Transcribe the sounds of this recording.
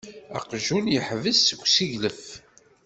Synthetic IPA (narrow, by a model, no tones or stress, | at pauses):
ɑ̰qʒunjəħvəzːəkʷːsiʝləf